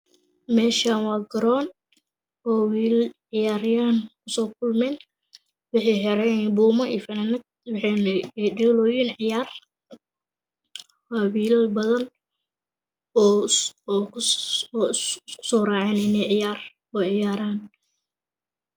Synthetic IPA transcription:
mɛːʃaːnwɑːɡɐɾɔːn | ɔːwiːlʕɪjaːɾjaːnkʰʊsɔːkʰʊlmɛːn | wɑħɑħɛɾɛbuːmɐʔḭːfɐnɐnɪt̪ | wħɛnɖɛːlɔːjinʕɪjaːr | awiːlɐbɐðɐn | kʰʊ̥sɔːraːʕɛːnɪnɛʕɪjaːr | ɔːʕɪjaːɾaːn

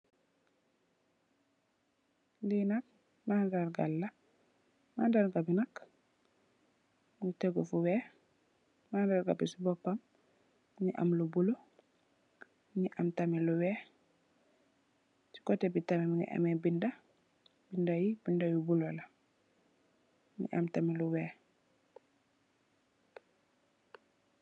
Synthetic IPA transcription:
linak̚ | madaɾɡalːa | mandaɾɡabinak | ŋutɛɡɔfuwɛ | mandaɾɡabisibɔpːam | ɲiʔa̰mlubulo | ɲiʔamtamiluwɛː | ti̥kɔtɛbitamɛmiŋɡa̰ʔa̰mɛbinda | bindajibindajubulala | ɲḭʔa̰mtamiluwɛː

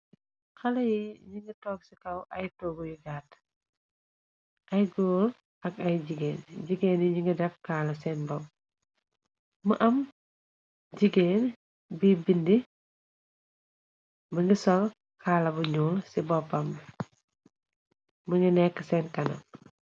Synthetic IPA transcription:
xɐlɐjiɲiŋɡətɔːk̚sikɐwʔɐjtɔːɡujiɡaːt | ʔɐjɡoːl | ɐkɐjɟiɡeːnɟiɡeːnjiɲiŋɡədɛfkaːlɐsɛːnbɔb | mɐʔɐm | ɟiɡeːn | bibindi | məŋɡisɔl | kʰaːlɐbuɲuːlsibɔpːɐm | məŋɡənɛkːəsɛːnkɐnɐ̰

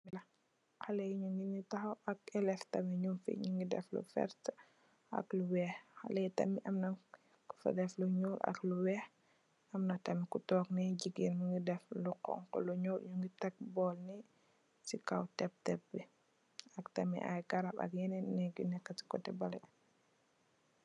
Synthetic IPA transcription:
ilɐ | xalejɲuŋɡinitahaakɛlɛftɐmiɲumfḭɲuŋɡidɛ̰flṵfɛ̰ɾt | ʔa̰kluwɛxxa̰lejtɐ̰miʔɐmnɐ | ku̥fa̰dɛfluɲuːlʔa̰kluwɛx | ɐmnɐtɐmikutɔːknɛɟiɡinmuŋɡidɛfluqɔ̰ŋkɔ̰luɲɔʔɲuŋɡitɛk̚bɔːlnɛ | sikawtɛp̚tɛpːɛ | ɐktɐmḭʔa̰jɡaɾapɐ̰k̚jɛnɛnɛɡunɛkːɐti̥kɔtɛbalɛ̰

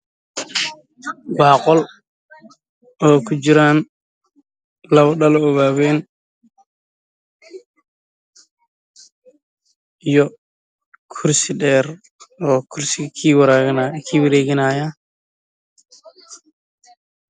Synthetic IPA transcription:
ɡaːqɔl | ɔːkud͡ʒiɾaːn | lɐwɗɐlɔːwaːwɛːn | jɔ | kʰuɾsiɗɛːɾ | ɔːkʰuɾsikʰiːwaɾaɡnakʰiːwɪɾɛːɡɪnaːja

